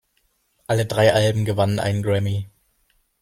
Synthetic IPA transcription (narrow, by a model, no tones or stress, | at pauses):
ʔalədʁaɪʔalbm̩ɡəvanənʔa̰ɪnənɡʁɛmi